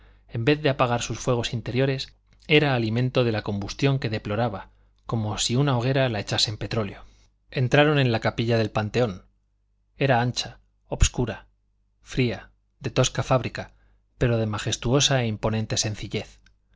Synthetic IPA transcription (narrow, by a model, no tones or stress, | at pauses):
e̞mbe̞θðe̞apaɣ̞aɾsusfwe̞ɣ̞o̞sint̪e̞ɾjo̞ɾe̞s | e̞ɾaːlimẽ̞nt̪o̞ð̞e̞lako̞mbust̪jo̞ŋke̞ðe̞plo̞ɾaβa | ko̞mo̞siunao̞ɣ̞e̞ɾalae̞t͡ʃasempe̞t̪ɾo̞ljo̞ | e̞nt̪ɾaɾo̞nẽ̞nlakapiʎaðe̞lpant̪e̞o̞n | e̞ɾaant͡ʃa | o̞bskuɾa | fɾia | ðe̞t̪o̞skafaβɾika | pe̞ɾo̞ð̞e̞maχe̞st̪uo̞saeimpo̞nẽ̞nt̪e̞se̞n̟θiʎe̞θ